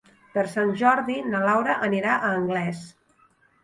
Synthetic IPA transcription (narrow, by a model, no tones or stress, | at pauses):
pəɾsanʲʒɔɾðinəlawɾəʔəniɾaʔəːŋɡlɛs